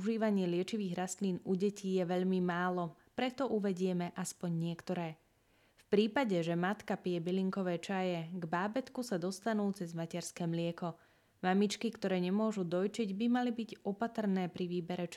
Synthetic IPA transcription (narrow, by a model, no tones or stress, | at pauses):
uʒiːʋaɲɪɛlɪɛt͡ʃiʋiːɣɾast̪liːnuɟɛcijɛʋɛʎmimaːlɔ | pɾɛt̪ɔʔuʋɛɟɪɛmɛʔaspɔɲɲɪɛkt̪ɔɾɛː | fpɾiːpaɟɛʒɛmat̪kapɪɛbiliŋkɔʋɛːt͡ʃajɛɡbaːbɛt̪kusad̪ɔst̪anuːt͡sɛzmacɛɾskɛːmlɪɛkɔ | mamit͡ʃkikt̪ɔɾɛːɲɛmʊɔʒud̪ɔjt͡ʃiɟbimalibiɟɔpat̪r̩nɛːpɾiʋiːbɛɾɛt͡ʃ